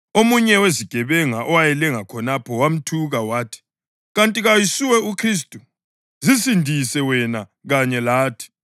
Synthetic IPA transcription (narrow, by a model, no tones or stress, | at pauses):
omuɲɛweziɡ̥ʱɛβɛŋaʔɔwajɛlɛŋakʰɔnapʰɔwam̩tʰuɣawaːtʰi̥ | ɣantʼiɣajisuwɛukʰris̬tʼu | zisindʱisɛwɛnaɣaɲɛlaːtʰi̥